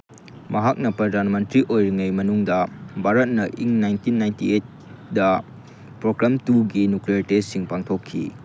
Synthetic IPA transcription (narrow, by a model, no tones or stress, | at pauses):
mʔɐɦak̚nɐpɾɐdanmɐntɾiʔojɾiŋɐjmɐnuŋdɐbʱaɾɐt̚nɐʔiŋnajntinːajntiet̚ | dɐ | pɾoɡɾamtuɡinukliaɾtesiŋpaŋtʰokʰːḭ